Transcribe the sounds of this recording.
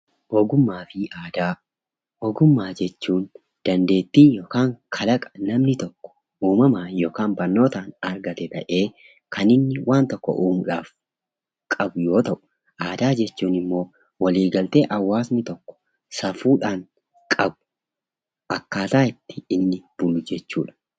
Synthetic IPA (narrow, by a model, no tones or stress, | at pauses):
hoːɡʊmːaːfɪaːd̪aː | hoːɡʊmːaːd͡ʒɛt͡ʃːuːn | d̪̥ɐnd̪e̞ːt̪ːiːjoːkaːŋkʰɐlɐkʼɐ̥nɐmnɪt̪ɔkːɔ̥ | ʔuːmɐmaːjo̞ːkaːnbɐɾno̞ːt̪aːnɐɾɡɐt̪ɛt̪ɐʔe̞ː | kʰɐnɪnːɪwʔaːnt̪ɔkːɔ̰ʔuːmʊᶑaːf | kʼɐbʊjo̞ːt̪ɐʔʊ̥ | ʔaːd̪aːd͡ʒɛt͡ʃːuːnɪmːo̞ː | wɐliːɡɐlt̪eːʔɐwːaːsnɪt̪ɔkːɔ̥ | sɐfuːᶑaːn | kʼɐbʊ̥ | ʔɐkːaːt̪aːɪt̪ːɪ̥ɪnːɪb̥ʊlʊd͡ʒɛt͡ʃːuːᶑɐ̥